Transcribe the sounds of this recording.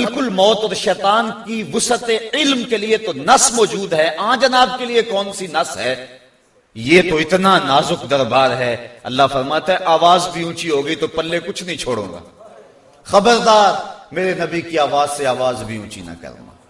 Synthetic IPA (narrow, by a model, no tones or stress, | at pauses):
bɪlkʊlmɔːt̪ɔːɾʃɛːt̪aːnkiʋʊsət̪eɪlmkeliet̪onɐsmɔːd͡ʒuːd̪ɦɛʔãːd͡ʒɐnaːb̚keliekɔːnsinɐsɦɛː | jeːt̪oɪt̪nanaːzʊkd̪ɐɾbaːɾɦɛːɐ̰lːafɐɾmaːt̪eɦɛ̃ʔaːʋaːzbʱiũːt͡ʃiɦoːɡɐit̪opɐlːekʊt͡ʃʰnɐɦĩt͡ʃʰoːɽõ̰ːŋɡa̰ː | xɐbəɾd̪aːɾmeːɾenɐbikiaːʋaːzseaːʋaːzbʱiṵ̃ːt͡ʃḭnɐ̰kɐ̰ɾ̰na̰ː